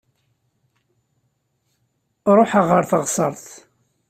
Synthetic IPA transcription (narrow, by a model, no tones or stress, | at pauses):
ɾˤoħəʁəɾθəʁsˤəɾˤθ